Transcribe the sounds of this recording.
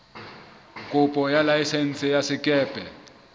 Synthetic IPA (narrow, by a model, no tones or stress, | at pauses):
kʼʊpʼɔjalajisɛn̩t͡sɛjasɪkʼɛːpʼɛ